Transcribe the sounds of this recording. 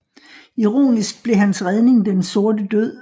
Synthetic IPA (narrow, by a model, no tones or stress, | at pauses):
iʁo̝̰ːnisɡ̥̚b̥le̝ɦænsʁað̞ˠne̝ŋd̥enso̝ɐd̥əd̥øð̰ˠ